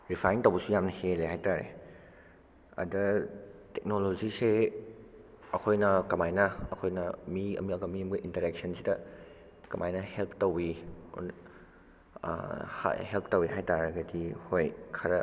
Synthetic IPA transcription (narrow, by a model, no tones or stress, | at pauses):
ɾipʰajntɐwbusujamnɐheleɦajtaɾḛ | ɐ̰dɐtɛk̚nolozise | ɐkʰojnɐkɐmajnɐɐkʰojnɐmiɐ̰miɐɡomimɡɐʔintɐɾɛk̚sɐnsitɐ | kɐmʔajnɐhelpʰtɐwḭ | a̰ha̰help̚tɐwiɦajtaɾɡadʰihojkʰaɾɐ